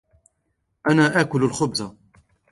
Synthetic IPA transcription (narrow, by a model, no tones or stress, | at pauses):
ʔanaːʔaːkʊlalxʊbza